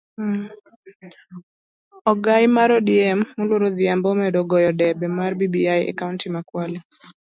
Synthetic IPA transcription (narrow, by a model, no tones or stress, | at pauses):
ɔɡajmaɾɔdiɛmːolwoɾoðɪjambɔmɛdɔɡɔjɔdɛbɛmarbibiajɛ̰kauntimakwali